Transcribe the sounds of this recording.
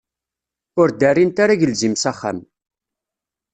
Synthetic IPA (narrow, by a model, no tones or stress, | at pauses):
ʊɾd̪ærːint̪aɾaʝəlzimsaχːa̰m